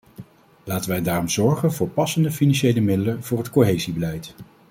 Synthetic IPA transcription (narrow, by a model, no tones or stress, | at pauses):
laːtənʋɛjdaːrɔmz̥ɔɹχənvʊːɹpɑsəndəfinɑnʃejləmɪdələnv̥ʊːɹɦətkoɦejzibəlɛjt